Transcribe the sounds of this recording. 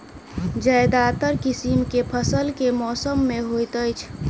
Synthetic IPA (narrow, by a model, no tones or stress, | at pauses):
d͡ʒəjd̪aːt̪əɾkisimkepʰəsəlkemɔːsəmːẽɦojt̪əjt͡ʃʰ